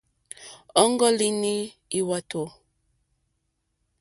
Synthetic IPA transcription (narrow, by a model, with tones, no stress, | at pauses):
ɔ˦ŋɡɔ˦li˦ni˦i˦wa˦to˨